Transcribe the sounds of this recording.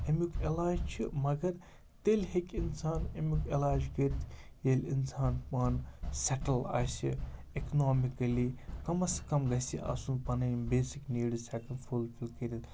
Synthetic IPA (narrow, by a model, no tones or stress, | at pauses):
emikʰelaːd͡ʒt͡ʃʰimɐɡɐɾ | t̪elʲɦekʲinsaːnemukelaːd͡ʒɡɐɾt̪ʰjelʲinsaːnpaːnseʈɐla̰ːsḭ | eknoːmikɐlikɐmɐskɐmɡɐsiʔɐ̰sunpɐnɐbeːsikniːɽisʲaːkɐnfʰulfilkɐɾit̪